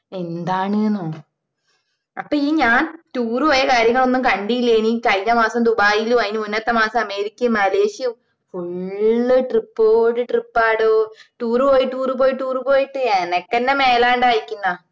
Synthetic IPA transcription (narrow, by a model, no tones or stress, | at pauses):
e̞nd̪aːɳɨnːoː | ɐpːoːiːɲaːntuːrɨpoːjɐkaːɾjɐŋːɐɭo̞nːumkɐɳɖijilːeːɳikɐjɲɐmaːsɐmd̪ubaːjiluɐjinumunːɐt̪ːɐmaːsɐmɐme̞ːɾikʲːɐmɐle̞ːɕj | fuɭːɨʈripːoːɽɨʈripːaːɽoʈuːrɨpo̞ːjiʈːuːrɨpoːjiʈːuːrupo̞ːjiʈːɨenɐkːenːeme̞ːlaːɳɖaːjikʲːunːɐ